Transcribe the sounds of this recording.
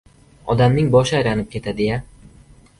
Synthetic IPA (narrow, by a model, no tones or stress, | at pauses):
ɒd̪amnɪŋbɒʃajɾanɪp̚kʲe̞t̪ʰad̪eja